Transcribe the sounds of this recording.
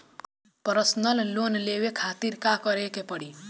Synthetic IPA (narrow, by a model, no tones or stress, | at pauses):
pəɾəsnəllonleʋekʰat̪iɾkakəɾekepəɽi